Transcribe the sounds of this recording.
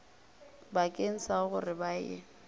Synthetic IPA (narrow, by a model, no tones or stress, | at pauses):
bakʼeŋ̩saɣʊrɪbajɪ̰